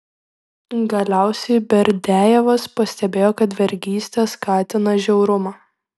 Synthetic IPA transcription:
ɡɐlʲæˑʊsʲɛɪbʲɛɾʲd̪ʲæːjɛʋɐspɐsʲt̪ʲɛbʲeːjoːkɐt̪ʋʲɛɾʲɡʲiːsʲt̪ʲɛskɑːt̪ʲɪnɐʒʲɛʊɾʊmɑː

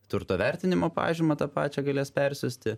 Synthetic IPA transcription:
t̪ʊɾt̪oːʋʲɛɾʲt̪ʲɪnʲɪmoːpɑ̰ːʒʲɪmɐt̪ɑpɑ̰ːt͡ʃʲɛɡɐlʲeːspʲɛɾʲsʲʊsʲt̪ʲɪ

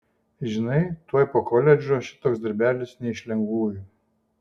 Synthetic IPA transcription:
ʒʲɪnɐɪt̪uɔjpoːkɔlʲɛd͡ʒʲoːʃʲɪ̥t̪oːksd̪ɐɾʲbʲæːlʲɪsnʲɛɪʃʲlʲɛŋɡʋuːju

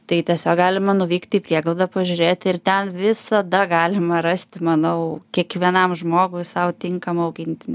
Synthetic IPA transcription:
t̪ɐɪt̪ʲiɛsʲoːkɡɑːlʲɪmɐnʊʋʲiːkt̪ʲiːpʲrʲiɛɡlˠlʊd̪ɐpɐʒʲʊɾʲeːt̪ɪrt̪ʲɛnʋʲɪsɐd̪ɐɡɑːlʲɪmɐɾɐsʲt̪ʲɪmɐnɐʊkʲiɛkʋʲiɛnɐmʒmoːɡʊɪsɐʊt̪ʲɪŋkɐmɐʊɡʲɪnʲt̪ʲɪnʲ

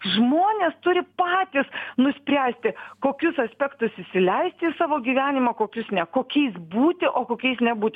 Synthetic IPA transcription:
ʒmoːnʲeːst̪ʊɾʲɪpɑːt̪ʲɪsnʊsʲpʲɾʲæːsʲt̪ʲɪkoːkʲʊsɐsʲpʲɛkt̪ʊsɪʃʲsʲɪlʲɛɪsʲt̪ʲɪisɑːʋoːɡʲiːʋʲæːnʲɪmɑkoːkʲʊsnʲɛkoːkʲɛɪsbuːt̪ʲɪʔoːkoːkʲɛɪsnʲɛbuːt̪ʲɪ

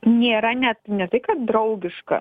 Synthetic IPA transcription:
nʲeːɾɐnʲɛt̪nʲɛt̪ɐɪkɐt̪̚d̪ɾɐʊɡʲɪʃkɐ̰

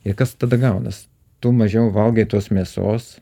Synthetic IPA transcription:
ɪkɐst̪ɐd̪ɐɡɐʊnɐs | t̪umɐʒʲɛʊʋɐlˠɡʲet̪uɔsmʲiɛso̰ːs

